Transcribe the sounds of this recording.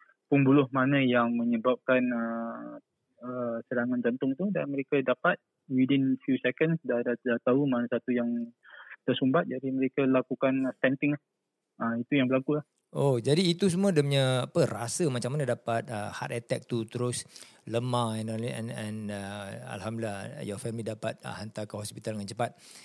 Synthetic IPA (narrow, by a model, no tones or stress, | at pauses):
punbulʊhmanə̃jaŋmə̃ɲəbap̚kanə | əsəɾaŋãnd͡ʒant̪ʊŋt̪udanməɾekadapat̪̚ | widinfjusɛkənsdadadat̪aumanasat̪ujaŋt̪əsumbat̪̚d͡ʒadiməɾekalakukanst̪ɛnt̪ɪŋlah | əit̪ujaŋbəlakulah | ʔod͡ʒadiːt̪us̬umũədəmɲə̃apərasəmat͡ʃaŋmanadapat̪̚əha̰t̪ɛt̪ɛk̚t̪ut̪əɾʊs | ləmãɛnɔlɛ̰nɛ̃nəa̰lɦamda̰jɔfɛmlidapat̪̚ə̰hant̪akəhɔspit̪aldəŋant͡ʃəpat̪̚